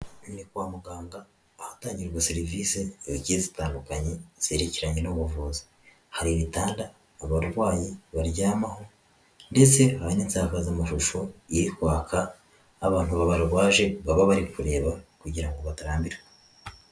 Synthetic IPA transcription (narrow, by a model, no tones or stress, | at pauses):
nikwaːmuɡaːŋɡaː | hataːɲɟiɾɾɡwaseɾiviseɟiezitaːndukaɲe̞z̥e̞ɾeciɾaɲe̞noβuvuːzi | haɾiβitaːndaː | βaɾɡwaːjiβaɾɟaːmaho̞ | nde̞t͡se̞haɾiniːnsaːkazamaʃuʃo̞jeɾikwaːkʰaː | βaːn̥huβaβaɾɡwaːʒe̞βaβaβaɾikuɾe̞ːβakuɟiɾaŋɡo̞βataɾaːmbiɾɡwe